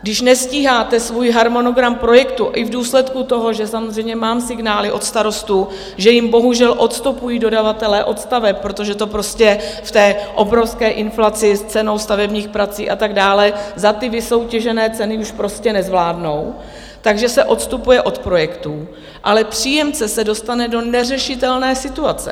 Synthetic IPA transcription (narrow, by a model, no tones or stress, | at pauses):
ɡdɪʃnɛsciːɦaːt̪ɛsvuːjɦaɾmo̞no̞ɡɾampɾo̞jɛkt̪uʔɪvduːslɛt̪kut̪o̞ɦo̞ʒɛsamozrɛjmɲɛmaːmsɪɡnaːlɪʔo̞t̪st̪aɾo̞st̪u | ʒɛjɪmbo̞ɦuʒɛlʔo̞t̪st̪upujiːdo̞davat̪ɛlɛːʔo̞t̪st̪avɛp̚pːɾo̞t̪o̞ʒɛt̪o̞pɾo̞scɛft̪ɛːʔo̞bɾo̞fskɛːʔɪnflat͡sɪst͡sɛno̞wst̪avɛbɲiːxpɾat͡siːʔat̪aɡdaːlɛzat̪ɪvɪso̞wcɛʒɛnɛːt͡sɛnɪuʃpɾo̞scɛnɛzvlaːdno̞w | t̪aɡʒɛsɛʔo̞t̪st̪upujɛʔo̞t̪pɾo̞jɛkt̪uː | ʔalɛpr̝̥iːjɛmt͡sɛsɛdo̞st̪anɛdo̞nɛrɛʃɪt̪ɛlnɛːsɪt̪uat͡sɛ̰